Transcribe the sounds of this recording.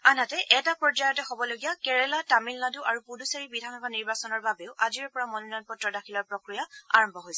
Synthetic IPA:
anatɛʔɛtapɹɔd͡ʒajɔtɛxɔbɔloɡijakɛɹɛlatamilnaduʔaɹupuduseɹibidʱanɔkaniɹbasɔnɔɹbabeʊʔaziɹpɔɹamɔnunanpɔtɹɔdaxʰilɔɹpɹɔkɹijaa̰ɹɔmbʱɔɦojsɛ

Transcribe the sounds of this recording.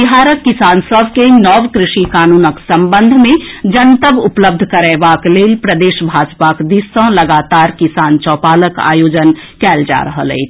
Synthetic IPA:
iɦaːɾəkːɪsaːnsəʋkenɔːʋkɾɪʃikaːnuːnəksɐ̃mbə̃nd̪ʱmẽd͡ʒənt̪əʋʊpləb̚d̪ʱkəɾɛːʋaːkleːlpɾəd̪eːʃbʱaːd͡ʒpakd̪ɪsə̃lɐɡaːt̪aːɾkɪsaːnt͡ʃɔːpaːləka̰ːjoːd͡ʒən | kɛːld͡ʒa̰ɾəɦəlḛi

